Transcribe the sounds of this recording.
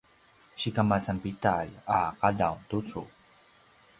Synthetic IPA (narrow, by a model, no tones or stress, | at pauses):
ɕikamasampitalaqadawtut͡su